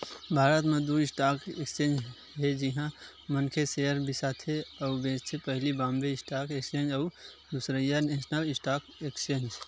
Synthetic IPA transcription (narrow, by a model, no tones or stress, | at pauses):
bʱaːɾət̪mẽd̪uɪsʈaːkekst͡ʃẽːnd͡ʒ | ɦed͡ʒɪɦã | mənkʰeseəɾbʱisaːt̪ʰɦeɔʊbeːd͡ʒt̪ʰepəɦlibãːmbeɪsʈaːkekst͡ʃẽːnd͡ʒə | d̪usɾəjaneːsnəlɪsʈaːkekst͡ʃẽːnd͡ʒ